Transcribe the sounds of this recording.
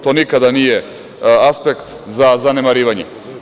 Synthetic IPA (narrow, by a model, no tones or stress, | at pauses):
t̪onikad̪aniɛ | aspɛkt̪ | zazanɛmaɾivaɲɛ̰